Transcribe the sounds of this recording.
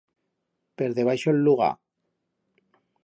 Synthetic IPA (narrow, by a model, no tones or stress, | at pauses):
peɾðeβ̞ajʃolːuɣ̞a̰